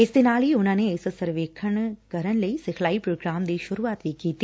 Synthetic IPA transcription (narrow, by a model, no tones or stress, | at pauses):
ɪsd̪ɪnaːlɦiʊnãːneɪssəɾʋeːkʰəɽ̃kəɾəɳləisɪkʰlaːipɾoːɡɾaːmd̪iːʃʊɾuːaːt̪ʋikiːt̪iː